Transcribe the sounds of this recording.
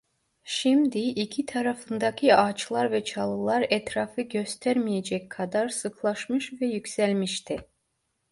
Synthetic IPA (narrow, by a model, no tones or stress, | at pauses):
ʃimd̪iicʰit̪ʰɑɾɑfɯnd̪ɑcʰiɑt͡ʃʰlˠɑɾvɛt͡ʃʰɑlˠɯlˠɑɾɛt̪ɾɑfɯɟø̞st̪ʰæɾmijed͡ʒɛkʲkʰɑd̪ɑɾsɯklˠɑʃmɯʃvɛjykʲsælʲmiʃt̪ʰi